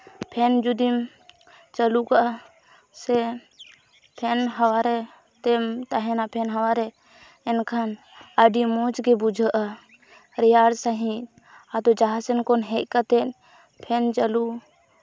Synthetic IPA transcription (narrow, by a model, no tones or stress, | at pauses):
pʰɛnd͡ʒud̪im | t͡ʃəlukaʔ | sɛ | pʰɛnɦawaɾɛ | t̪ɛmt̪aɦɛnapʰɛnɦawaɾɛ | ɛnkʰan | əɖimɔt͡ʃɡɛbud͡ʒʱəʔa | ɾɛjaɽsaɦĩ | ad̪ɔd͡ʒaɦasɛnkɔnɦɛʔ̚kat̪ɛn | pʰɛnt͡ʃəlu